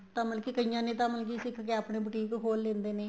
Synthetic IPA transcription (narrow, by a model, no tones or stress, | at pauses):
t̪ãːməlkiːkəijãːnẽːt̪̬ãːməlk̬iːsɪkʰkeːaːpneːbəʈiːkkʰoːlːẽːnd̪eːneː